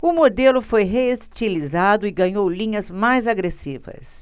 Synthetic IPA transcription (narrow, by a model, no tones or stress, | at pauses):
ʊmod̪elʊfojɦeest͡ʃilizad̪ʊɪɡɐ̃ɲowlĩɲɐzmajzaɡɾesivɐ̰s